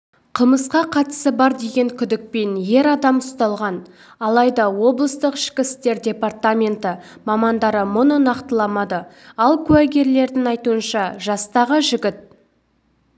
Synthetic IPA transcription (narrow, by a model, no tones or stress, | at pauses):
qʰəməsqɑqʰɑt̪ə̥səbɑɾd̪e̞ɡʲe̞ŋkʲʰʏd̪ɪk̚pe̞nje̞ɾɑd̪ɑmʊst̪ɑlˠʁɑn | ɑlˠɑjd̪ɑwo̞blˠəst̪əqɪ̥ʃkʲɪst̪e̞ɾdʲe̞part̪amʲe̞nt̪ɪmɑmɑnd̪ɑɾəmʊnənɑqt̪əlˠɑmɑd̪ə | ɑlˠkʲʰʉwæɡʲe̞ɾle̞ɾd̪ɪŋɑjt̪uənʃɑʒɑst̪ɑʁəʒɪɡʲɪt̪̚